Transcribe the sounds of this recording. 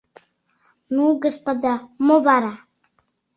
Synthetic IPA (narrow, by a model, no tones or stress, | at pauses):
nuːɡəspəd̪amobaɾa